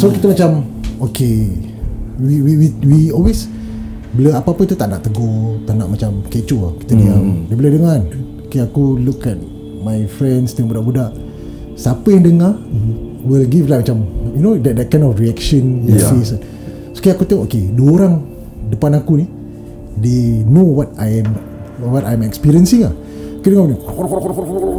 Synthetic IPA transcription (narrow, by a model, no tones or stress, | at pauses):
sokit̪əmat͡ʃamoke | wiwiwiwiɔlwes | bələapapuit̪ut̪aʔna̰ʔt̪əɡɔt̪aʔna̰ʔmat͡ʃamket͡ʃuaki̥t̪ənĩabəbələdəŋanokeakulukɛt̚ | majfɾɛnst̪ɛŋbudaʔbudaʔ | sapəjaŋdəŋa | wilɡivlamat͡ʃamjunodɛdɛt̚kãj̃nɔfɾiɛkʃə̃njsis | so̥kajakut̪eŋʔokeduoɾaŋ | dəpanakuni | denowɔt̚ajɛm | wɔtajɛmɛkspiɾiənsiŋa | kudəŋawniɔfɔffɔ